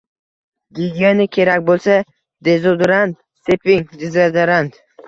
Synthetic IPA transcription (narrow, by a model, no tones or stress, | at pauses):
ɡʲid̪ʲionɪkʲʰe̞ɾak̚ʲbolˠsa | d̪ezod̪ɾand̪̚ | sepɪŋd̪ɪzɾad̪ɪɾand̪